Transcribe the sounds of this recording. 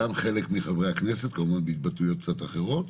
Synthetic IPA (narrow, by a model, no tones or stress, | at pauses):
amχe̞lekmiχavʁeakne̞set̪komuvanbeit̪̚bat̪ujot̪̚k̚t͡sat̪aχeʁo̞t̪